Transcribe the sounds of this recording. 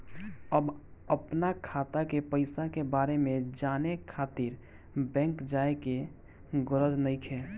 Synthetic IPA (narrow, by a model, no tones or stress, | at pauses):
əbəpnakʰaːt̪akepəɪsakebaːɾemẽd͡ʒaːnekʰaːt̪iɾ | bɛ̃ːŋkd͡ʒaːeke | ɡʊɾəd̪nəɪkʰe